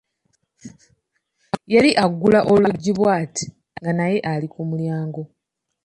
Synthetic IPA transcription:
jaliʔaɡːulaʔo̞lwuɟːiβwaːti̥ | ŋɡanaje̞ʔalikumuljaːŋɡo̞

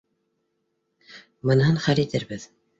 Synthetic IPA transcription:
mɤ̆nɦɤnχæɾit̪ɘɾbɘð

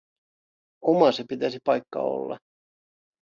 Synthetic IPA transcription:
omɑsepit̪æsipɑjkːɑ̰o̞̰lːɑ̰

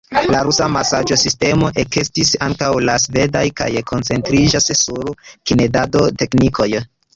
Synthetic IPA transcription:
laɾusamasad͡ʒo̞siste̞mo̞ʔekestisaŋkawlasve̞dajka̰jkʰo̞nt͡se̞ntɾid͡ʒassuɾkine̞dado̞te̞knikʰo̞j

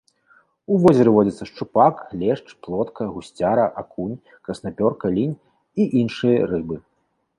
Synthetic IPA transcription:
uvɔzʲɐɾɨvɔd͡zʲɐt̪sɐʂt͡ʂupaklʲɛʂt͡ʂplˠɔt̪kʰɐɣusʲt͡sʲaɾɐʔakʰunʲ | kɐsnapʲɔrkɐlʲinʲ | iʔinʂɨjɐrɨbɨ

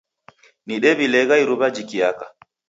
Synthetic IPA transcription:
niɗɛbilɛɡajɾubad͡ʒikiaka

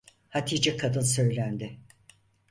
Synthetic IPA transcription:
hat̪ʰiːd͡ʒɛkʰad̪ɯnˠsø̞jlʲænd̪ɪ

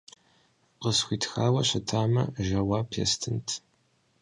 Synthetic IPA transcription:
qəsxʷiːtxaːwɐɕɐtʰaːmɐ̰ʒɐwaːpʰḛstʰɨntʰ

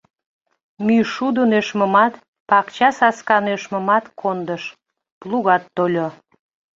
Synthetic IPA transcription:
myʃud̪ənøʃməmɑt̪ | pɑkt͡ɕɑsɑskɑnøʃmə̆mɑt̪kʰond̪əʃ | pluɣɑt̪ːolʲo

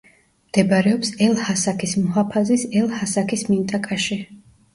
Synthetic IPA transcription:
md̪̥ɛbaɾɛɔpsɛlˠhasakʰismɔɦapʰazisɛlˠhasakʰismint̪ʼakʼaʃi

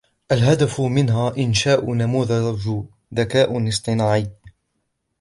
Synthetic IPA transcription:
ʔalɦad̪afʊmɪnɦaːʔɪnʃaːʔʊnamuːðad͡ʒʊ | ðakaːʔʊnɨsˤt̪ˤɨnaːʕɪː

